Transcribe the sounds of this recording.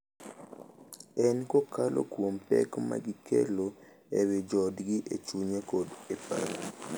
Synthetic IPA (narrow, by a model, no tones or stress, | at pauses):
ɛnkokalʔo̰kwompɛ̰kma̰ɡɪkʰḛlo | ewed͡ʒɔdɡɪʔet͡ʃuɲekodepa̰ɾ